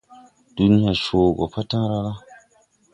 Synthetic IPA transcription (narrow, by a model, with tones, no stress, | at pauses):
d̥u˦ni˦ja˨ʃoː˨ɡɔ̰˨pa˦tã˦ɾa˦la˦